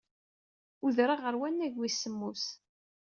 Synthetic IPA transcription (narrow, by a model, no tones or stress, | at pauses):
uðɾaʁəɾwænːæʝwisːəmːus